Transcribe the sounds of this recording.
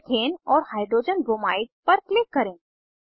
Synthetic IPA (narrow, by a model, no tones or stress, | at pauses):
k̪ʰeːnɔːɾhaːɪɖ̪ɾoːd͡ʒənbomaːɪɡ̚pɐɾklɪkːɐɾẽː